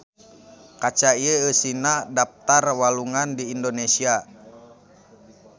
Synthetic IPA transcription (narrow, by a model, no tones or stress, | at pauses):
kat͡ʃaiəəsinadap̚t̪arwaluŋandiːndonesia